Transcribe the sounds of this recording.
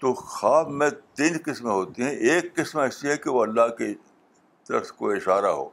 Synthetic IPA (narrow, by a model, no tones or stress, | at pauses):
t̪oːxaːbmẽt̪ɪnkɪsmɦoːt̪iɦɛ̃ʔeːkːɪsmɛːsiɦɛkeʋoɐlːaɦke | ʃɐ̰xt̪koɪʃaːɾaɦo̰ː